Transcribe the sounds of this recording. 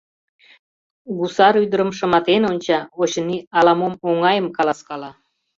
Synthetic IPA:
ɡusɑɾyd̪əɾəmʃə̆mɑt̪enonʲt͡ɕɑoɕəniɑlɑmomoŋɑjəmkɑlˠɑskɑlɑ

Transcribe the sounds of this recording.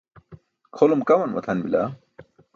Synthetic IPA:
kʰolumkɐwɐnmɐ̰t̪ʰɐnbila̰

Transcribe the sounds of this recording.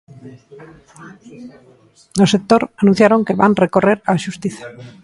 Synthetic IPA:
nosek̚t̪oɾanũn̟θjaɾoŋkeβanrekoreɾaʃust̪iθḁ

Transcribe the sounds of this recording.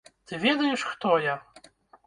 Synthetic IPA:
t̪ɨvʲɛd̪ajɛʂxt̪ɔja

